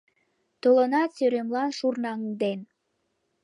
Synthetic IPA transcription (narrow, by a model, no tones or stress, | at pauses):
t̪olənɑt̪søɾemlɑnʃurnɑŋd̪en